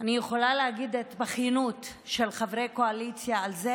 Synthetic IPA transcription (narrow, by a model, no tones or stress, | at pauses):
anijeχo̞laleaɡid̪etbaχjinut | ʃe̞lχavʁejko̞alit͡sjaːlze